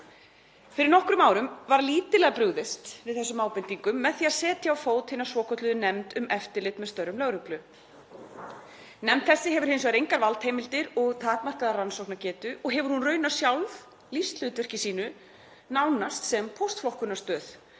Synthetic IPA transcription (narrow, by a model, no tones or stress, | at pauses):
fɪɾɪɾnɔhkɾʏmaːwɾʏmvaɾliːt̪ɪlɛɣapɾʏɣðɪst̪vɪðθɛsʏmaːwpɪnt̪iŋkʏmːɛðθiːaðsɛːt̪ʰjaawfoːwt̪hɪnːḁsɔːkʰɔt̪lʏðʏnɛmt̪ʏmɛft̪ɪɾlɪt̪mɛðst̪œrːʏmlœɣɾʏplʏ | nɛmt̪θɛsːɪɦɛvʏɾ̥hɪns̬ɔɣɾejŋkaɾvalt̪hejmɪlt̪ɪɾɔɣt̪ʰaːt̪mar̥kaðaransɔwknacɛːt̪ʏʔɔɣɦɛvʏɾ̥hunrœːɥnḁsjawlv | list̪l̥ʏːt̪vɛr̥cɪsiːnʏ | nawnast̪sɛmpʰowst̪flɔhkʏnḁst̪œːθ